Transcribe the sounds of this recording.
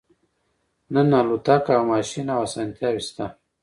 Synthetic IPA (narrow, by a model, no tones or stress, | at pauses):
nanalut̪akawmaʃinawasant̪jawist̪a